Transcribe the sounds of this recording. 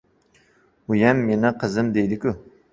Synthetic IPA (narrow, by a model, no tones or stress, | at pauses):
ujɛmːenɪqʰəzɨmd̪ejd̪ɪkʲu